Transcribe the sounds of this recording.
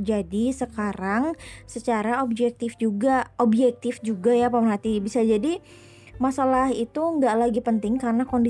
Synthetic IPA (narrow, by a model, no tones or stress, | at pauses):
d͡ʒadisəkaɾaŋsət͡ʃaɾaob̚d͡ʒɛk̚t̪ɪfd͡ʒuɡaobd͡ʒɛk̚t̪ɪfd͡ʒuɡajapamərɦat̪ibisad͡ʒadi | masalaɦit̪uəŋɡaʔlaɡipənt̪ɪŋkarnakondi